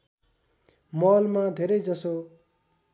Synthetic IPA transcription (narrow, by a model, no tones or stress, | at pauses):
mɔlmad̪ʱeɾʌjd͡zʌso